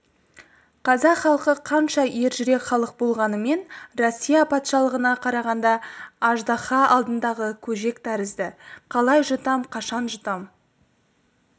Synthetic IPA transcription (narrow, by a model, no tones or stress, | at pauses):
qʰɑzɑqχɑlˠqəqʰɑnʃɑje̞ɾʒʏɾe̞kχɑlˠəq̚bo̞lˠʁɑnəme̞nrosʲːijapʰɑt̪ʃɑlˠəʁənɑqʰɑɾɑʁɑnd̪ɑɑʒd̪ɑχɑɑlˠd̪ənd̪ɑʁəkʲʰɵʒe̞kt̪ʰæɾəzd̪ɪqʰɑlˠɑjʒʊt̪ɑmqʰɑʃɑnʒət̪ɑm